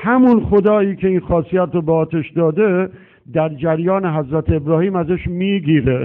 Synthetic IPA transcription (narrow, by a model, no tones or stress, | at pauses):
hæmunxod̪ɒːiːkʰe̞iːnxɒːsijæt̪ɾobeɒːt̪ʰeʃd̪ɒːd̪e | d̪æɾd͡ʒæɾjɒːneɦæzɾæt̪ʰeebɾɒːhiːmæzeʃmiːɡiːɾe